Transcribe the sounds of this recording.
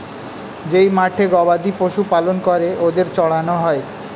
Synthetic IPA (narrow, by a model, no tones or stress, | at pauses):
d͡ʑejmaʈʰeɡɔbad̪ipoʃupalonkoɾeʔod̪eɾt͡ɕɔɭanoɦɔe